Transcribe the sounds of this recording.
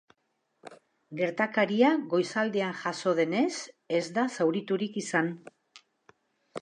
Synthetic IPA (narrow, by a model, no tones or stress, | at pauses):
ɡe̞ɾt̪akaɾiaɣo̞jsald̪eanʝaso̞ð̞e̞ne̞s | e̞zd̪asawɾit̪uɾikisan